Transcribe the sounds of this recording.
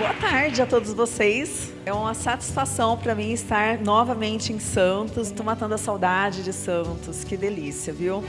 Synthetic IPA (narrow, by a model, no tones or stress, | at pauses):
boɐt̪aɾd͡ʒɪat̪od̪ʊzvoses | ɛũmɐsat͡ʃi̥sfasɐ̃w̃pɾɐmĩɪst̪aɾnɔvɐmẽnt͡ʃɪẽj̃sɐ̃nt̪ʊsɪt̪owmat̪ɐ̃nd̪ʊɐsawd̪ad͡ʒɪd͡ʒɪsɐ̃nt̪ʊskɪd̪elisiɐviw